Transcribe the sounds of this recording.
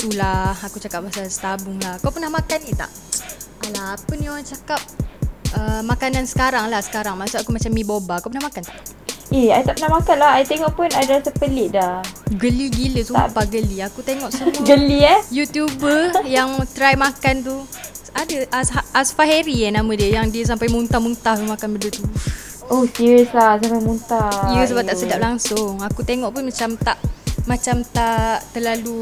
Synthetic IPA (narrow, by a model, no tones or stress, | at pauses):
t̪ulahakut͡ʃakap̚basalsə̥t̪abʊŋlahakawpənahmakanit̪a̰ʔ | alaːpənioɾaŋt͡ʃakap̚əmakanansə̥kaɾaŋlahsə̥kaɾaŋmasuʔakumat͡ʃamːibobakuwpənahmakant̪aʔ | ʔiajt̪aʔpənahmakanlahajt̪eŋɔʔpunadasəpəlɪʔdahɡəliɡiləsṵpaɡəliakut̪eŋɔʔsəɡəliajut̪jubəjaŋt̪ɾajmakant̪̬u | adəʔaaasfaheɾianamə̃diəjaŋdiəs̬ampajmunt̪amunt̪aht̪umakanbəndət̪u | ʔohsiɾəslasampajmunt̪aijəs̬əbap̚t̪asədap̚laŋsʊŋakut̪eŋɔʔpunmat͡ʃamt̪aʔmat͡ʃamt̪aʔt̪əlalu